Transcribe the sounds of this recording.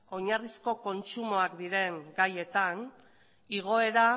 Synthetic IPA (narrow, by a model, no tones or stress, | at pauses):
o̞ɲarisko̞ko̞nt͡ʃumo̞akd̪iɾe̞ŋɡaje̞t̪an | iɣ̞o̞e̞ɾa